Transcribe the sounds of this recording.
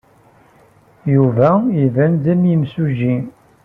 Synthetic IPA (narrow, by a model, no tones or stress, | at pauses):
juvæivænd̪æmjimsuʒi